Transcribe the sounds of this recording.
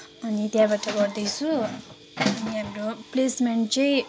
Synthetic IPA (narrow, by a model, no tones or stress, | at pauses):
ʌnit̪jãbaʈʌɡʌɾd̪ʌjt͡sʰu | ʌʌniɦamɾoplesmeɳʈt͡sʌj̃